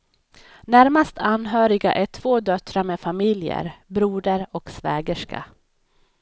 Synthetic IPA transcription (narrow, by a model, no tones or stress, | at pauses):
næɾmast̪ʰanːɦœːɾɪɡa̰ʔæʈʰv̥oːd̪œt̪ɾameːfamɪljə̰ɾbɾuːɖ̪əɾɔksvɛːɡəʂka̰